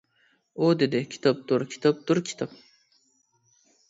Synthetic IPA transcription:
od̪ed̪ɪkʲʰi̥t̪ʰɑp̚t̪ʊɾkʲʰi̥t̪ʰɑp̚t̪uɾkʲʰi̥t̪ʰɑp̚

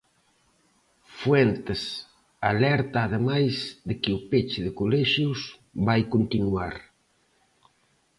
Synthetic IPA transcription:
fwɛnt̪ɪs | alɛɾt̪aːðemajzðɪkɪʊpet͡ʃɪðɪkolɛʃjus | βajkont̪inuaɾ

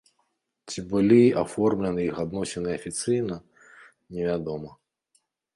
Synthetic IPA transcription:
tʲibɔlʲiʔɐfɔrmlʲenɪjixɐd̪nɔsʲɪnɪɐfʲit̪sɪjnɐ | nʲeʋʲad̪ɔmɐ

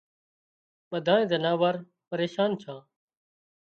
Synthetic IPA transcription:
ɓəd̪ʱaːẽːzənaːʋaːɾ | pəɾeːʃaːnt͡ʃʰãː

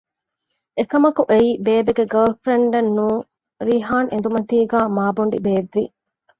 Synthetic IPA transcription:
ekɐmɐkuʔeiːbeːbeɡeɡɐːlfɾeɳɖɐnːuː | ɾiːɦaːŋend̪umɐt̪iːɡæːmaːbuɳ̆ɖḭbeːʋːi

